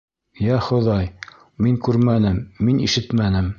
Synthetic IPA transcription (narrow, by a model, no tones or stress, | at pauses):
jæχŏðɑj | miŋkʉɾmænɘmːinḭʃɘt̪mænɘm